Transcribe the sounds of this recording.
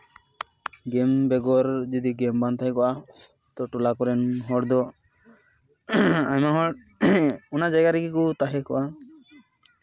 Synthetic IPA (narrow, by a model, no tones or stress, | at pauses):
ɡɛmbɛɡɔɾd͡ʒɔd̪iɡɛmbant̪ʰajkɔʔa | t̪ɔʈɔlakɔɾɛnɦɔɽd̪ɔ | ajmaɦɔʈ | ɔnad͡ʒaɡaɾɛɡikut̪aɦɛkɔ̰ʔa